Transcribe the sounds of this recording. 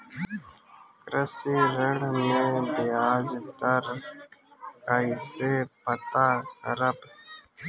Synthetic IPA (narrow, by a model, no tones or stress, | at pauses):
kɾəsiːɾəɽmẽbɪjaːd͡ʒt̪əɾ | kaisepət̪akəɾəb